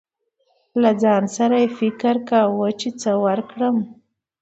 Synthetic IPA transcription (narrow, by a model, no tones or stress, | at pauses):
lad͡zɑnsaɾajefɪkɾkawət͡ʃet͡səwəɾkɽəm